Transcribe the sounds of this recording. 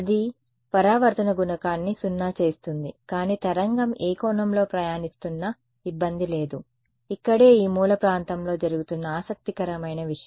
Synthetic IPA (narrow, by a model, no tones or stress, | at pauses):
ɐd̪i | pɐɾaːʋɐɾt̪ɐnɐɡunɐkaːnːisunːaːt͡ʃe̞ːst̪und̪ikaːniːt̪ɐɾɐŋɡɐmeːkɔːnɐmlo̞ːpɾɐjaːnist̪unːɐ | ibːɐnd̪ile̞ːd̪u | ikːɐɽe̞ːiːmuːlɐpɾaːnt̪ɐmlo̞ːd͡ʒɐɾuɡut̪unːɐaːsɐk̚t̪ikɐɾɐmɐjnɐʋiʂɐɐm